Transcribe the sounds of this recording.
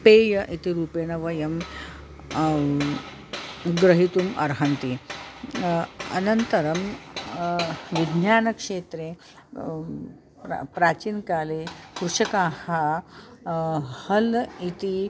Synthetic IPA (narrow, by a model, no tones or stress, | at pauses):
peːjɐʔit̪iɾuːpeːnɐʋɐjɐm | ɡɾəɦit̪umɐ̰ɾɦɐnt̪i | ɐ̰nɐnt̪ɐɾɐm | ʋid̪ʱnjaːnɐkʂeːt̪ɾe | pɾaːt͡ɕiːnkalekɾuʂɐkaha | hɐlit̪i